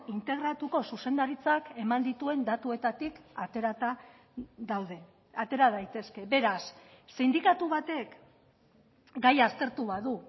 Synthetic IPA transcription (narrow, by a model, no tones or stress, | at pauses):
int̪e̞ɣ̞ɾat̪uko̞suse̞nd̪aɾit͡sake̞mand̪it̪ue̞nd̪at̪ue̞t̪at̪ikat̪ɾaa | ðawðe̞ | at̪e̞ɾað̞ajt̪e̞ske̞βe̞ɾasː | end̪ikat̪uβat̪e̞k | ɡajast̪e̞ɾt̪uβaðu